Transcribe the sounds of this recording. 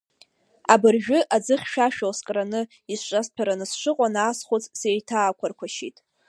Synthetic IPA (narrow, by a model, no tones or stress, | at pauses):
abɨrʒᶣʊʔad͡zɨχʲʃᶣaʃᶣowskʼranɨ | isʂʷʼaspʰaɾanɨsʂʷɨqʷʼanaːsχut͡sʼsejtʰaːkʷʰarkʷʰaʃitʼ